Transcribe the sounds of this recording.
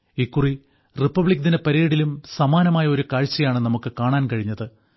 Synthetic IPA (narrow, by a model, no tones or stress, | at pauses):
ikːuri | ripːɐbɭikːɐt̪inepɐɾeːɽilumsɐmaːnɐmaːjɐo̞ɾukaːɻt͡ɕːɐjaːɳɨnɐmukːɨkaːɳaːnkɐɻiɲːɐðɨ